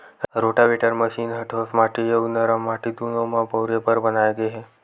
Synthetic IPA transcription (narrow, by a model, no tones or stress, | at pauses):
ɾoʈaʋeʈəɾməɕiːnɦəʈʰosmaʈijoɡnəɾamaʈid̪unomãbəwɾepəɾbənajɡeɦe